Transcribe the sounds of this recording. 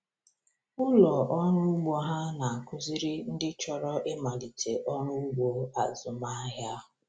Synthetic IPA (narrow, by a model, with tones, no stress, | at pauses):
ʊ˦lɔ˨ʔɔ˦nʊ˦ɡ͡bo˨ɦa˦na˨a˨kʰʊ˦zi˦ɾɪ˦n̩˦dɪ˦t͡ʃɔ˨ɾɔ˦ʔɪ˦ma˨li˨tʰe˨ʔɔ˦nʊ˦u˦ɡ͡bo˨a˨zʊ˨ma˦ɦja˦ɦʊ˨